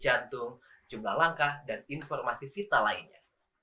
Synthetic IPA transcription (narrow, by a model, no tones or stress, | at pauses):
d͡ʒant̪ʊŋ | d͡ʒumlahlaŋkahdaninfɔrmasifit̪alainɲa